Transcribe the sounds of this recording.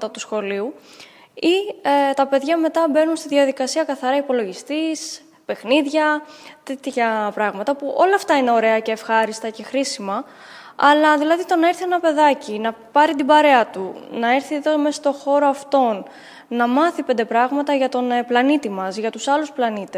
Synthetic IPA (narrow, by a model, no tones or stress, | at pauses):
ɐt̪ɐt̪usxo̞liu | iet̪ɐpe̞ðʝɐme̞t̪ɐbe̞nunst̪iðiɐðikɐsiɐkɐθɐɾɐipo̞lo̞ʝist̪is | pe̞xniðʝɐt̪e̞t̪çɐpɾɐɣmɐt̪ɐpuʔo̞lɐːft̪ɐine̞o̞ɾe̞ɐce̞ːfxɐɾist̪ɐce̞xɾisimɐ | ɐlɐðilɐðit̪o̞nɐeɾθienɐpe̞ðɐcinɐpɐɾit̪ibɐɾe̞ɐt̪unɐe̞ɾθiðo̞mesɐ̥st̪o̞xo̞ɾo̞ɐft̪o̞nː | ɐmɐθipend̪e̞pɾɐɣmɐt̪ɐʝɐt̪o̞nplɐnit̪imɐsʝɐt̪usɐlusplɐnit̪es